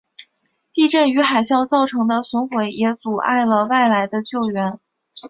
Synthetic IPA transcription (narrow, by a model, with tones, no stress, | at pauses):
t̪i˥˧ʈ͡ʂə˥˩ny˧˥xa˨˩ɪɕjɑ˥˧ʊt͡sɑ˥˩ʊʈ͡ʂʰɤ˧˥ŋd̪ə˧swə˧˥nxwe˧˥ɪjɛ˧˥t͡su˨˩ʔa̰˥˩ɪlə˩wa˥˩ɪla˧˥ɪd̪ə˧t͡ɕjo˥˩ʊɥɛ˧˥n